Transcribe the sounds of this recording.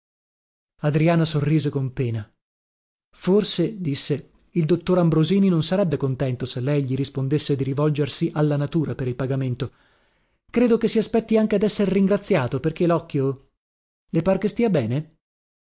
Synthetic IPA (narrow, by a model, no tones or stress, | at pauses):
ad̪ɾiaːnasorːiːzekompeːna | forsed̪isːe | ild̪ot̪ːoɾambɾoziːninonsaɾɛbːekont̪ɛnt̪oselːɛjʎiɾispond̪esːed̪iɾivɔld͡ʒersiʔalːanat̪uːɾapeɾilpaɡament̪o | kɾeːd̪okesːiaspɛt̪ːiaŋkead̪ɛsːeɾriŋɡɾat̪sːjaːt̪operk̟elɔkːjo | lepaːɾekest̪iːabɛːne